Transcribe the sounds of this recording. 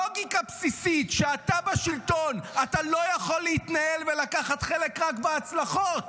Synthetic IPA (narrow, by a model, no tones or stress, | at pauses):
oɡikapsisitʃeat̪abaʃilto̞nat̪alo̞jaχo̞lːeit̪naelvelakaχatχelekʁakbeat͡slaχo̞t